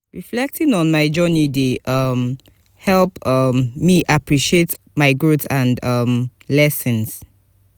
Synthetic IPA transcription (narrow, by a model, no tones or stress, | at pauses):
ɹiflɛk̚tʰĩŋɔ̃nmaɪd͡ʒɜnideʔʌm | hɛlˠpʌmmiʔapʰɹiʃiet | maɪɡɹutãnʌmlɛsə̃ns